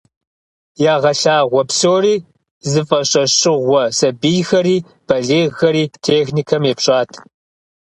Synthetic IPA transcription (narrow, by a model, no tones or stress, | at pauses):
jaːʁɐɬaːʁʷɔpsoːriː | zɨfʼɐɕʼɐɕʼɪʁʷɔsɐbijxɐɾiː | b̥ɐɮeːɣɐɾiːtʰeːxnikʰɐmeːpɕʼaːtʰ